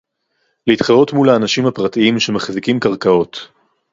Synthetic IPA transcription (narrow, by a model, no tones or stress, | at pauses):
leit̪χaʁo̞tmulaːnaʃimhapʁatiimʃe̞maχzikimkaʁkao̞t